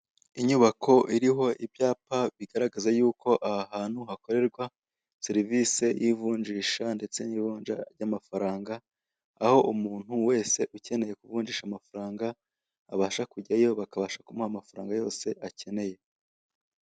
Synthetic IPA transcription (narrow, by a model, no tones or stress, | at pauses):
iɲuβakʰo̞ʔiɾiɦo̞ʔiβjaːpaβiɡaɾaɡazajuːko̞ʔahaɦaːn̥huhako̞ɾe̞ɾɡwa | seɾiviːse̞jivuːɲd͡ʒiːʃande̞t͡se̞nivuːɲd͡ʒaɾɟamafaɾaːŋɡa̰ː | ho̞ʔumuːn̥huwe̞ːse̞ʔuce̞ne̞je̞kuvuːɲd͡ʒiːʃamafaɾaːŋɡaː | βaːʃakuɟajo̞βakaβaːʃakumhamafaɾa̰ːŋɡajo̞ːse̞ʔace̞ne̞je̞